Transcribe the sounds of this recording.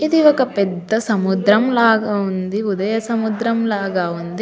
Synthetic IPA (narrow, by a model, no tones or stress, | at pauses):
id̪iʋɐkɐpɛd̪ːɐsɐmud̪ɾɐmlaːɡɐund̪iud̪ɐjɐsɐmud̪ɾɐmlaːɡaːʋund̪i